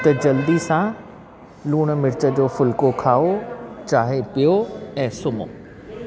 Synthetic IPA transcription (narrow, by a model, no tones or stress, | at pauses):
t̪ɐd͡ʑɐld̪isã | luːɽ̃mɪɾɪt͡ɕə̆d͡ʑoːfʊlkokʰaːot͡ɕaːɦepijoɛ̃ːsʊmo̰ː